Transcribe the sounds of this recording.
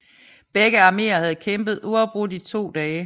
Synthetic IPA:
b̥eɡ̥əɑ̈me̝̰ːɐhæð̞̩ˠkʰemb̥ð̞̩ˠuɒʊb̥ʁud̥it͡sʰo̝̰ːd̥ɛː

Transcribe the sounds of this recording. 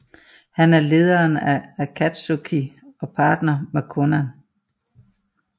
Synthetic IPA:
hænæɐle̝ːð̞ˠɐːnæækʰæd̥sokʰiɒ̽pʰɑ̈ːd̥nɐmekʰɔnæn

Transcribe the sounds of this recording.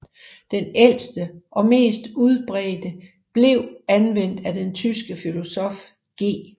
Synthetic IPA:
d̥enel̰sd̥əʔɒ̽me̝̰ːsd̥uð̞ˠb̥ʁɛːd̥ə | b̥le̝ʊ̰ænʋen̰d̥æd̥ent͡sʰysɡ̥əfilo̝sɒ̽f | ɡ̥e̝̰ː

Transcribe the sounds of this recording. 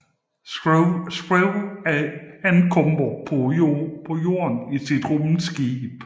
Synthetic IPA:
sɡ̥ʁɛʊæænkʰɔmb̥ɐpʰpʰɔ̽jo̝̰ːɐnisid̥ʁɔmnsɡ̥ib̥

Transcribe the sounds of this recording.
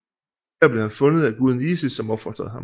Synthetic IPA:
æɐb̥le̝hænfɔ̽nəð̩ˠæɡ̥uð̞ˠn̩iːsəsɒ̽mɒ̽b̥fɒ̽d̥ʁɐðˠɑ̈m

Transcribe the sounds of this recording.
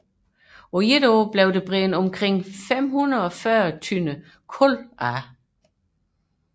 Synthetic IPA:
ojedob̥leʊd̥eb̥ʁɛːnɒ̽mkʰʁeŋ̰fem̰hunɐðˠɒ̽fɶːɐt͡sʰynə | kʰɔlʔæ

